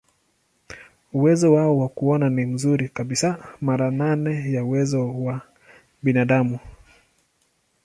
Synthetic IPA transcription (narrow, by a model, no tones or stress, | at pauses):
uwɛzɔwaɔwakuɔnanim̩zuɾikaɓisamaɾananɛjauwɛzɔwa | ɓinaɗamu